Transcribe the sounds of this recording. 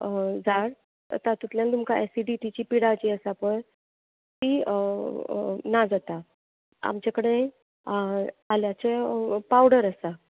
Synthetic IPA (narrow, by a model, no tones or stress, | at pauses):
d͡zaɽ | ə̰t̪at̪it̪ljãnt̪umkaɛsiɖiʈit͡ɕiːpiɽat͡ɕiəsapəɳ | k̪i | nad͡zat̪a | a̰mt͡ɕakəɽenaj | aljat͡sepawɽəɾəsa